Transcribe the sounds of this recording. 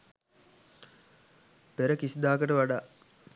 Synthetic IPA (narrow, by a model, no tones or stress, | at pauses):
peɾəkisid̪aːkəʈəʋaɖaː